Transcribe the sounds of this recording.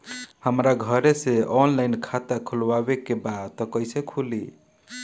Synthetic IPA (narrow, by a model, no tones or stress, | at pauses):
həmɾaɡʱəɾeseɔnlaɪnkʰat̪akʰulwabekːebadt̪ɔkəjsekʰuli